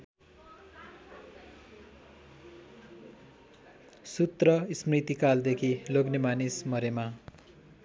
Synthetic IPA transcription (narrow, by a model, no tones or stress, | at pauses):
sut̪rʌismrit̪ikald̪ekʰiloɡnemanismʌɾema